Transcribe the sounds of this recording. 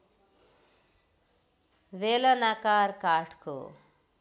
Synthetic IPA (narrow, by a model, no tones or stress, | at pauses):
ʋelɐnakaːɾkaːʈkṵ